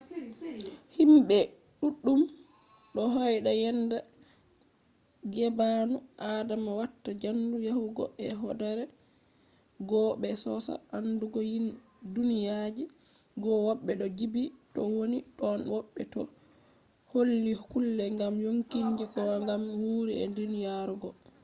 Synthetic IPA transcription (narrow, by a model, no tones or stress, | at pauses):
himɓɛ | ɗuɗːum | ɗɔɦɔjɗajɛnda | ɡɛbanuʔaːdamawatːad͡ʒandujahuɡɔ̰ʔɛɦɔdaɾɛ | ɡɔɓɛsɔsa̰ʔanduɡɔjin | dunijad͡ʒi | ɡɔwɔɓːɛɗɔd͡ʒibitɔwonitɔnwɔɓːɛ̰tɔ̰ | holːikulːɛŋɡamjoŋkiɲd͡ʒikɔwaŋɡamwuɾiɛ̰ndunijaɾuɡɔ